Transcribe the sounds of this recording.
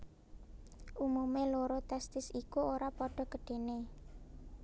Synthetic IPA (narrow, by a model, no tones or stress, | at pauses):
ʔumumeloɾot̪ɛst̪ɪsikuoɾapɔɖ̥ɔ̤kəɖ̥e̤ne